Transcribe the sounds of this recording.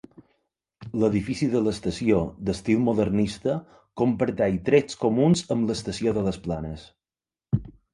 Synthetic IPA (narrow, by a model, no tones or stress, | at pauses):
ləðifisiðələst̪əsiod̪əst̪ilˠmoðərnist̪ə | kompəɾt̪ɛjt̪ɾet͡skomunzəmləst̪əsioðələsplanəs